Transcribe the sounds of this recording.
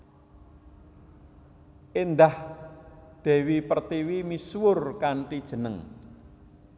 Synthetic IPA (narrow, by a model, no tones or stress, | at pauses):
ʔend̪ah | d̪̥ɛ̤wipərt̪iwimiswʊrkaɳʈid̥ʒ̥ə̤nəŋ